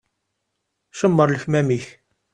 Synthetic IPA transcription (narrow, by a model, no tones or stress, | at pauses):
ʃəmːəɾˤləçmæmiç